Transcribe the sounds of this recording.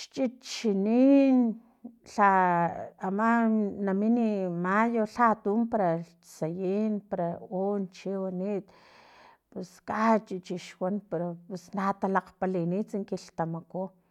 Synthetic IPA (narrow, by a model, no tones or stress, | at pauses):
ʃt͡ʃʼit͡ʃinin | ɬaː | manaminimajoɬat̪umpaɾa | t͡sajinpaɾaont͡ʃiwanit̪ | puskʼat͡ʃʼit͡ʃiʃwanpeɾopusnat̪alaqpalinit͡siŋkilt̪amako